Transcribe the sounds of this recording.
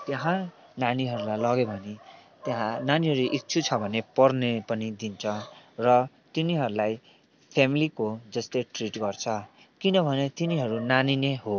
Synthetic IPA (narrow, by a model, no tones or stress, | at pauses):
t̪jʌɦã | naniɦʌɾulajlʌɡebʱʌnet̪jɦãnaniɦʌɾuʔik̚t͡sʰut͡sʰʌbʱʌnepʌrnepʌnid̪int͡sʰʌrʌ | t̪iniɦʌɾulaj | pʰemilikod͡zʌst̪eʈriʈɡʌrt͡sʰʌ | kinʌbʱʌnet̪iniɦʌɾunanineɦo